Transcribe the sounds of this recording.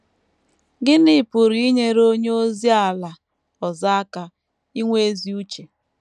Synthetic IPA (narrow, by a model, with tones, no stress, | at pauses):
ɡɪ˦nɪ˨pʊ˨ɾi˦i˦ɲe˦ɾo˦ɲ˦o˦zi˦a˨la˨ | ɔ˨za˦ka˨ | i˦ŋʷe˦e˦zi˦u˦t͡ʃe˨